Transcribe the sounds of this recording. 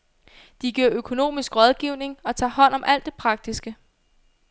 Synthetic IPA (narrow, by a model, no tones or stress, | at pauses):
d̥iɡ̥iɐ̰økʰo̝no̝̰ːmisɡ̥ʁɒ̽ð̞ˠɡ̥iʊ̰ne̝ŋɒ̽t͡sʰɑ̰̈ɦɒ̽n̰ɒ̽mʔæl̰d̥ːe̝pʰʁɑ̈ɡ̥̚d̥isɡ̥ə